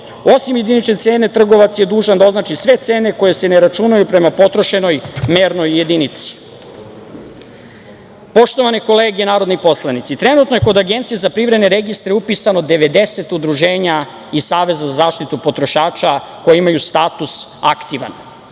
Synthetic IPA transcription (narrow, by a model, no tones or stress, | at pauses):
o̞simjed̪init͡ʃnet̪se̞ːne̞t̪r̩ɡo̞ʋat̪sje̞d̪uːʒand̪ao̞znat͡ʃisʋe̞t̪se̞ːneko̞je̞seneɾat͡ʃunajupɾe̞mapo̞t̪ɾo̞ʃe̞no̞jmeːɾno̞jːe̞d̪init̪si̥ | po̞ʃt̪o̞ʋaneko̞le̞ːɡenaːɾod̪nipo̞slanit̪sit̪ɾe̞nuːt̪no̞je̞ko̞d̪aɡe̞nt̪sijezapɾivɾed̪neɾe̞ɡist̪ɾeupisano̞d̪e̞ʋe̞d̪e̞se̞t̪ud̪ɾuʒeːɲa | isaːʋe̞zazazaːʃt̪it̪upo̞t̪ɾo̞ʃaːt͡ʃako̞jeimajust̪aːt̪usa̰kt̪iʋa̰n